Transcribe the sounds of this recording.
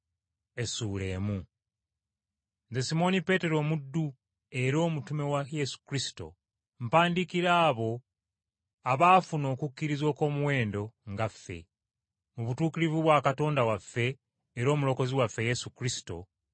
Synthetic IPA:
e̞suːle̞ːmu | nzesimo̞nipe̞te̞ɾo̞ːmudːu | e̞ɾo̞ːmutume̞waje̞su̥kɾisi̥to̞̰ | m̩paːndikiɾaːβo̞ | aβaːfuno̞ːkukʲːiɾizwo̞ːko̞ːmuwe̞ːndo̞ŋɡafːe̞̰ | muβutuːkiɾivuβwaːkato̞ːndawafːe̞ː | ɾo̞ːmulo̞ko̞ziwafːe̞jesukɾisi̥to̞̰

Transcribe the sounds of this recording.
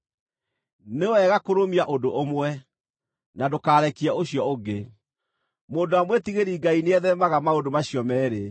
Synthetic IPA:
newɛɣakoɾomiaʔodoʔomwɛ | nadokaːɾɛkiaoɕijɔoɡe | moːndoamwetiɣeɾiːɡaineɛðɛmaɣamaodomaɕijɔmɛːɾe

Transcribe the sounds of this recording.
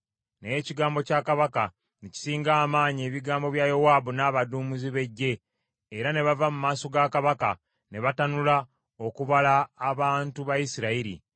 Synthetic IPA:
neeciɡaːmbo̞cakaβaka | neci̥siːŋɡaːmaːɲie̞ːβiɡaːmbo̞βjajowaːbunaːβaduːmuziβe̞ɟːe̞ː | ɾane̞βavamumaːso̞ɡakaβaka̰ | ne̞βatanula | o̞kuβalaːβaːntuβajisiɾaiɾḭ

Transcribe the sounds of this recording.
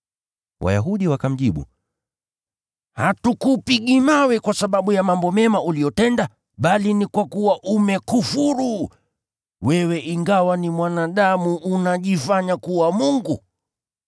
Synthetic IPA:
wʔa̰ja̰ɦuɗiwakam̩ʄiɓṵ | hatukupiɠimawɛkwasaɓaɓujamambɔmɛmaʔulijɔtɛnda | ɓalinikwakuwaʔumɛkufuɾu | wɛwɛʔiŋɡawanimwanaɗamuʔːnaʄifaɲakuwamuŋɡu

